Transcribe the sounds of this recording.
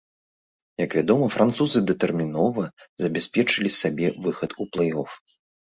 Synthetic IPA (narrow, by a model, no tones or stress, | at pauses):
jɐkvʲad̪ɔmɐfɾʔant̪suzɨd̪ɐt̪ɛrmʲinɔvɐzɐbʲɛsʲpʲɛt͡ʂɨlʲisabʲɛvɨxɐt̪uplˠɛjɔf